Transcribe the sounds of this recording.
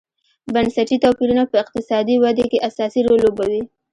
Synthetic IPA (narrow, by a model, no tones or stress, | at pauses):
bansaʈit̪apiɾunapəɪq̚t̪ɪsɑd̪iwad̪ekeʔasɑsiɾolːobawi